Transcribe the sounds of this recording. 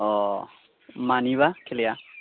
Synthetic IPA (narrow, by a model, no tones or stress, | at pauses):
ɔ | maniβakʰelia